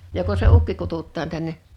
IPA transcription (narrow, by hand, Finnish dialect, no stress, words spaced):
joko se ukːi kututːɑːn tænːe